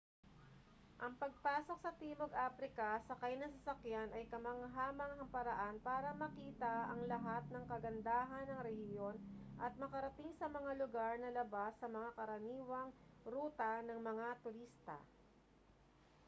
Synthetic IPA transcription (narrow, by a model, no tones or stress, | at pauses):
ʔɐŋpɐɡ̚paːso̞k̚sɐt̪iːmoɡʔaːpɾɪkɐsɐkɐjnɐŋs̬ɐsɐkjanɐjkɐmɐŋɦaːmɐŋhɐmpɐɾɐʔanpaːɾɐmɐkiːt̪ɐʔɐŋlɐɦat̪̚nɐŋkɐɡɐnd̪aːɦɐnɐŋɾɛhɪjo̞nʔɐt̪̚mɐkɐɾɐt̪ɪŋsɐmɐŋalʊɡaɾnɐlɐbasːɐmɐŋakɐɾɐniːwɐŋɾuːt̪ɐnɐŋmɐŋat̪ʊɾist̪ɐ̰